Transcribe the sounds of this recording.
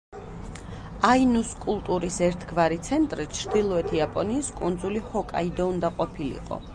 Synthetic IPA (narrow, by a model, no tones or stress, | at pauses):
ainuskʼulˠt̪ʼuɾisɛɾt̪ʰɡvaɾit̪sʰɛnt̪ʼɾit͡ʃʰɾd̪ilˠɔɛt̪ʰiapʼɔniːskʼund̪zulihɔkʼa̰id̪ɔund̪aqʼɔpʰilḭqʼɔ̰